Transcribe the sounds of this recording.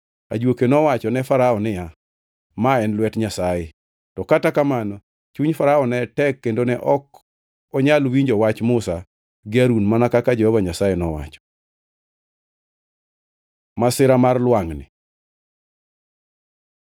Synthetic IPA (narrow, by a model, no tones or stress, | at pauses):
a̰d͡ʒwokenɔwat͡ʃɔnɛfaɾaɔnɪja | maɛnlwɛtɲasaje | tɔkatakamanɔ | t͡ʃuɲfaɾaɔnɛtɛkkːendonɛʔɔk | ɔɲalwiɲd͡ʒɔwat͡ʃmʊsa | ɡɪaɾunmanakakad͡ʒɔhɔvaɲasajɛnɔwa̰t͡ʃɔ̥ | masɪɾamarlwaŋnɪ̰